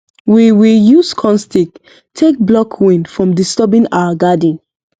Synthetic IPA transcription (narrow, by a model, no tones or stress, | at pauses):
wiwijuskʰɔ̃nstik | tʰek̚blɔkʰwĩnfɹɔ̃mdistɔbĩna̰waɡadĩn